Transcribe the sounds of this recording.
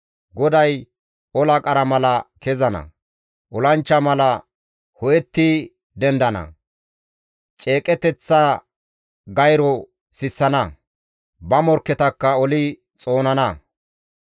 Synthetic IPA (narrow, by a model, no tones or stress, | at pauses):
ɡɔd̪ɐj | ɔlɐkʼɐɾɐmɐlɐkɛzɐnɐ̰ | ʔɔlɐnt͡ʃːɐmɐlɐ | hɔjɛt̪ːɪ | d̪ɛnd̪ɐnɐ̰ | t͡ʃʼe̞ːkʼɛt̪ɛt͡sːɐ | ɡɐjɾɔ | sɪsːɐnɐ | bɐmɔɾkːɛt̪ɐkːɐɔlɪ | t͡sʼo̞ːnɐnɐ